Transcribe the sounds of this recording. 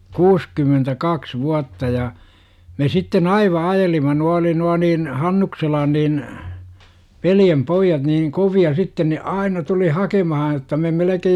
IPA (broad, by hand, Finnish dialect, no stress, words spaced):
kuːskymːentækɑks ʋuɑtːɑ jɑ me sitːen ɑiʋɑ ɑjelimɑ nuɑ oli nuɑ niːn hɑnːukselɑn niːn ʋeljempoijːɑt niːŋ koʋiɑ sitːen ne ɑinɑ tuli hɑkemɑhɑ jotːɑ me melekej